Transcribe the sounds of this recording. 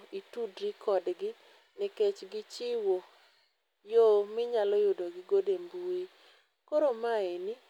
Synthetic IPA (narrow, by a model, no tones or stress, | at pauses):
itudɾikʰɔdɡɪ | nɪket͡ʃɡɪt͡ʃɪwo | jomɪɲalɔjodoɡɪɡodembui | koɾomaeni